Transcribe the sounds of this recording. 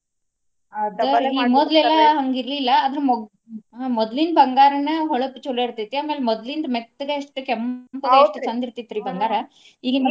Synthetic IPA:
ɐd̪ɐiːmɔd̪lɛlːɐɦɐŋɡiɾlilːɐːd̪ɾemɔ | mɔd̪linbʱɐŋɡaːɾɐnɐɦɔɭɐpːit͡ʃulːeiɾt̪it̪ːiaːmeːlemɔd̪lind̪ɐmek̚t̪ːɐɡɐɐʂʈːukɛmpɐeɐʂʈːut͡ʃɐnd̪iɾt̪it̪ːɾiːbʱɐŋɡaːɾɐ | iːɡɐnɐ

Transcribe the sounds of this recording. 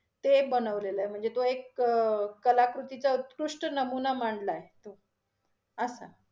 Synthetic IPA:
t̪ebənəʋleləem̤əɳd͡zet̪oekː | əlakɾut̪it͡saut̪kɾuʂʈənəmunamaɳɖlaɦet̪o | əsa̰

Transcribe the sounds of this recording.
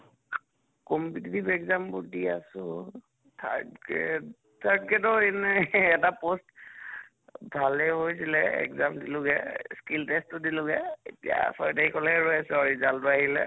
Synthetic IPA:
kɔmpititipɛkzambʊdiasʊ̃ | tʰa̰dɡɛ̰ | tʰaɹd̚ɡɛtɔɛnɛːtapost | bʱalɛɦojsilɛɛ̰kzamdilʊɡɛskiltestːʊdilʊɡɛetia̰sɔɹtahikʰɔlɛɹɔjasɛɔɹizaltʊahilɛ̰

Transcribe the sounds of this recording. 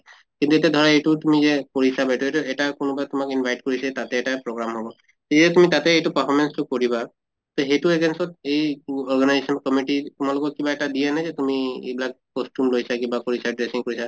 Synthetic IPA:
kint̪utadʱɔɹaejtutumizɛkoɹisabaɛjtuetuɛtakʊnʊbatʊmakinbʱajt̚koɹisɛtatɛːtapɹoɡɹamɦɔbɔ | etiɛtumitatɛejtupapʰɔmɛnstʊkoɹiba | t̪oɦetueɡensɔt̚ejɔɹɡanajzesɔnɔkɔmiʈitumalɔkɔkibaɛtadijanazɛtumiḛjbilak̚ | kɔstjumlojsakibakoɹisadɹesiŋkoɹisa

